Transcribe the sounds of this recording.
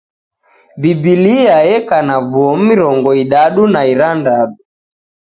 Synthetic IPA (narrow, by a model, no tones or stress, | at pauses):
bibiliajɛkanavuɔm̩miɾɔŋɡɔiɗaɗunaiɾandaɗu